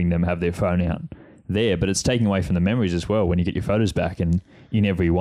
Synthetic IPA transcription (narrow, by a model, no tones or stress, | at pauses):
ɪ̃ŋðɨ̃mɨvðə˞fõʊ̃naʊt̪̚ | ðə˞bʌɾɨtstʰeɪkɪ̃ŋəweɪfɹʌ̃mðɨmɛmə˞izɨzwɛlˠwə̃njɨɡɛt͡ʃə̰˞foʊɾoʊzbækɨ̃n | ɨ̃nɛvɹiwʌ